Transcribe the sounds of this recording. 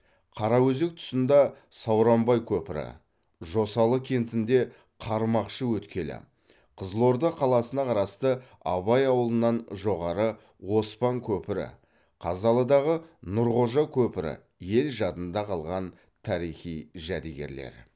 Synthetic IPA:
qʰɑɾɑwɵze̞k̚t̪ʰʊ̥sənd̪ɑsɑwɾɑmbɑjkʲʰɵpɪɾɪ̰ | ʒo̞sɑlˠəkʲʰe̞nt̪ɪnd̪e̞ | qʰɑɾmɑqʃəwɵt̪kʲe̞lɪ̰ | qʰəzlˠo̞ɾd̪əqʰɑlˠɑsənɑqʰɑɾɑst̪ə | ɑ̰βɑjɑwəlˠənːɑnʒo̞ʁɑɾə | wo̞spɑŋkʲʰɵpɪɾɪ̰ | qʰɑzɑlˠəd̪ɑʁənʊɾʁo̞ʒɑkʲʰɵpɪɾɪ̰ | je̞lʒɑt̪ənd̪ɑqʰɑlˠʁɑn | t̪ʰɑɾijχijʒæd̪eɡʲe̞̰ɾle̞̰ɾ

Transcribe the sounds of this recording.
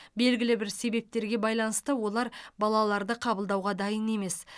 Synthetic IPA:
be̞lɡʲɪlɪbɪɾse̞be̞p̚t̪e̞ɾɡʲe̞bɑjlˠɑnəst̪əwo̞lˠɑɾbɑlˠɑlˠɑɾd̪əqʰɑbəlˠd̪ɑwʁɑd̪ɑjəne̞me̞s

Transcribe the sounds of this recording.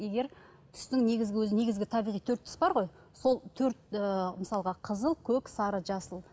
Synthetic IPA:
jeɡʲe̞ɾ | t̪ʰʏ̥st̪ɪŋne̞ɡʲɪzɡʲɪwɵzɪne̞ɡʲɪzɡʲɪt̪ʰɑbijʁijt̪ʰɵɾt̪ʰːʏ̥sbɑɾʁo̞j | so̞lˠt̪ʰɵɾt̪əməsɑlˠəʁɑqʰəzəlˠkʲʰɵksɑɾəʒɑsəlˠ

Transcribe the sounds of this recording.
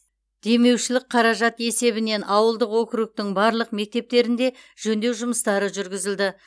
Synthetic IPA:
d̪̥e̞me̞wʃɪlɪk̚qʰɑɾɑʒɑt̪e̞se̞βɪne̞nɑwəlˠd̪əqwɵkʲɾuk̚t̪ɪŋbɑɾlˠəq̚me̞k̚t̪e̞p̚t̪e̞ɾɪnd̪e̞ʒ̥ɵnd̪e̞wʒʊməst̪ɑɾəʒʏɾɡʲɪzɪld̪ɪ

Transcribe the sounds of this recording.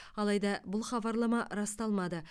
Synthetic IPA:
ɑlˠɑjd̪ɑbʊlˠχɑbɑɾlˠɑmɑɾɑst̪ɑlˠmɑd̪ə

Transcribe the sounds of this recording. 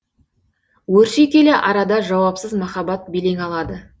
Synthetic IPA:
wɵɾʃekʲe̞lɪʔɑɾɑd̪ɑʒɑwɑpsəzmɑχɑbɑt̪̚bele̞ŋɑlˠɑd̪ə

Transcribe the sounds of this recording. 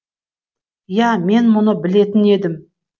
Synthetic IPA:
jæme̞nmʊnəbɪle̞t̪ɪne̞d̪ɪm

